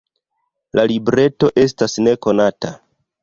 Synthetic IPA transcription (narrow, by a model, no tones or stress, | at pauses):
lalibɾe̞to̞ʔe̞s̬tasne̞ko̞nata